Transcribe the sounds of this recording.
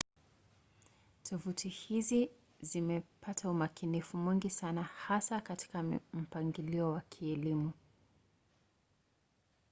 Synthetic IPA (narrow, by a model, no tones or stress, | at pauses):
tʰɔvutʰihizi | zimɛpʰatʰaumakinifumwiŋɡisanahasakati̥kam̩paŋɡiliɔwakʰiɛlimu